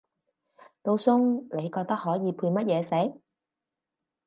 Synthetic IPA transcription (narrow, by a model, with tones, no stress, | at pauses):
t̪o˧wsʊ˥ŋle˨˧jkɔː˧k̚t̪ɐ˥k̚ɦɔː˨˥jiː˨˧pʰuː˧jmɐ˥t̚jɛː˨˧se˨˥j